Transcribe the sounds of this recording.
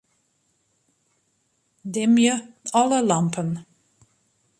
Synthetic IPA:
dɪmjəɔləlɑmpʰən

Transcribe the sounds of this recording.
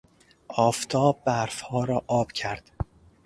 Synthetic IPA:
ʔɒːft̪ʰɒːb̚ːæɾfhɒːɾɒːʔɒːb̥cʰæɾd̪̥

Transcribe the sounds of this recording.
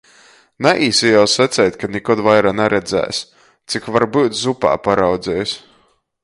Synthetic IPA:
naʔiːsijawsat̪sʲɛjt̪ʲkanʲɛkɔd̪vajɾaːnɛɾɛd̪zæ̰ːjs | t̪sikvaɾbuːt̪zupa̰ːpaɾawd̪zʲɛːjs

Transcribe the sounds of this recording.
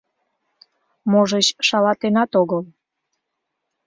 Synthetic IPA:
moʒət͡ɕʃɑlɑt̪enɑt̪oɣəl

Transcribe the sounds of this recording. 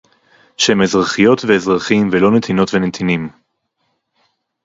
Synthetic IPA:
ʃemezʁaχijo̞t̪veːzʁaχimvelo̞net̪ʰino̞tvenet̪ʰinim

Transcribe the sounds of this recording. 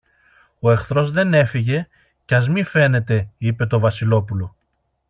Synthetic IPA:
o̞e̞xθɾo̞zðe̞ne̞fiʝe̞ | cɐzmife̞ne̞t̪e̞ipe̞t̪o̞vɐsilo̞pulo̞

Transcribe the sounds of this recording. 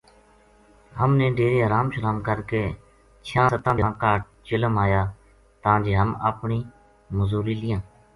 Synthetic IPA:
ɦəmnẽːɖeːɾeːəɾaːmʃəɾaːmkəɾkeː | t͡ʃʰãːsət̪ãːd̪aːkaːʈ̚ | t͡ʃɪləmaːjaː | t̪əãːd͡ʒeːɦəmə̰ːpɳiː | məzuːɾiːlɪjãː

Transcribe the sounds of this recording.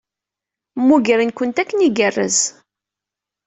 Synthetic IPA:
mːuɡəɾinkənt̪ækːəniɡərːə̰z

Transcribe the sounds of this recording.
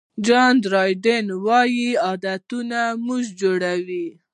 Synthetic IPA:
d͡ʒɑnd̪ɾɑjɖenwɑjiɑd̪at̪unamuʒd͡ʒoɽawi

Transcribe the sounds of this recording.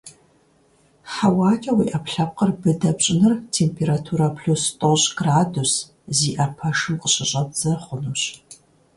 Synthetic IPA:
ħawaːt͡ʃʼɐwiːʔɐpɬɐp̚qərbɨdɐbɕʼɪnɨrtʰeːmpʰeːɾatʰuːɾɐpʰɬustʼoɕʼɡraːdus | ziːʔɐpʰɐʂɨmqʼəɕʼɪɕʼɐb̚z̥ɐχʷʊnuɕ

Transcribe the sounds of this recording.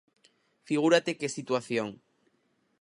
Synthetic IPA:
fiɣ̞uɾat̪ekesit̪waθjoŋ

